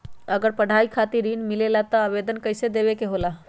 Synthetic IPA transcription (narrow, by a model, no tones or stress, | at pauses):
əɡəɾpəɽ̤aikʰat̪iɾinmilelat̪ɔəʋed̪ənkəjsed̪eʋekeɦola